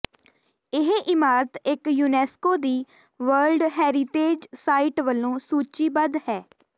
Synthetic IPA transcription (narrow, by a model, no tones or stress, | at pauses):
ɪɦeʔɪmaːɾət̪ɪkjuːnɛːskoːd̪iː | ʋəɾlɖɦɛːɾɪt̪eːd͡ʒsaːɪʈʋəlːõːsuːt͡ʃiːbəd̪hɛː